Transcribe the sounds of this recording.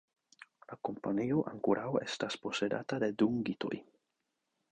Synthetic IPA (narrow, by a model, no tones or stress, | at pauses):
lako̞mpanioʔaŋkuɾʔawe̞̰staspo̞se̞da̰tade̞duŋɡito̞̰j